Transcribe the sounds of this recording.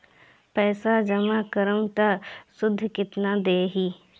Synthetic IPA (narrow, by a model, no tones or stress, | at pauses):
pɛːsad͡ʒəmakəɾəmt̪asʊd̪ʱːkɪt̪nad̪eːɦiː